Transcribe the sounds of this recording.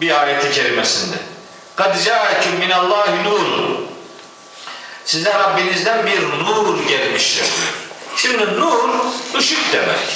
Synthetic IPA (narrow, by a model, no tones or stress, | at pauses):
biaːɾɛt̪ʰicʰeɾimɛsind̪ɛ | ɡ̥ɑd̪d͡ʒaːcʰumːinalˠːɑːɦinuːɾṵ | sizæɾabːinizd̪ænbiɾnuːɾɟɛlmiʃt̪iɾd̪iɾʃimd̪inuːɾd̪uʃukd̪ɛmɛ̰c